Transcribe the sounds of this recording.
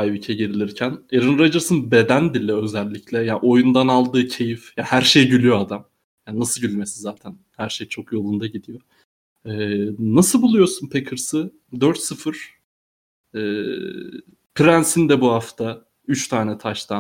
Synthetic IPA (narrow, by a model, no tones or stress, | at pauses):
ajbicʰɛɟeɾilʲiɾcʰæneɾɯnɾad͡ʒɯɾsɯnbe̞d̪ænd̪ilʲɛø̞zælʲːiclʲɛjaːʔo̞jund̪analˠd̪ɯːcʰe̞jifjahæɾʃe̞jɟylʲyjoad̪am | jaːnnasɯlˠɟylʲme̞sizaːt̪ʰænhæɾʃe̞jt͡ʃʰo̞kjo̞lˠund̪aɟid̪ijo̞ | ɛːnasɯlˠbulˠujo̞sunpʰekʰɯɾsɯ | d̪øɾt̪sɯfɯɾ̥ | ɛː | pʰiɾænsind̪ɛbuhaft̪ʰa | yt͡ʃt̪ʰaːnɛt̪ʰaʃt̪ʰa